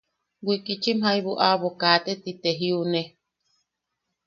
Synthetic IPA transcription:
ɡʷikit͡ʃimɦaiβuʔaβokaːt̪et̪it̪eɦiune

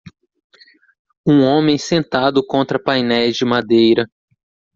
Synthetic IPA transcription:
ũõmẽj̃sẽnt̪ad̪ʊkõnt̪ɾɐpajnɛjzd͡ʒɪmad̪ejɾɐ

